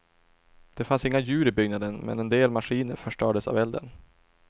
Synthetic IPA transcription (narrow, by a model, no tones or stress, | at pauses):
d̪̥ɛfansɪŋːajʉ̟ːɾɪbʏɡnad̪ənmɛ̰nɛnd̪eːlmaɧiːnəɾfœʂʈœːɖəsa̰vɛld̪ə̰n